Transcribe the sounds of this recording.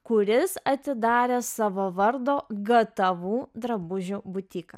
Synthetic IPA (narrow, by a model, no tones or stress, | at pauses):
kʊɾʲɪsɐt̪ʲɪd̪ɑːɾʲeːsɑːʋoːʋɐɾd̪oːɡɐt̪ɐʋuːd̪ɾɐbʊʒʲubʊt̪ʲiːkɐ̰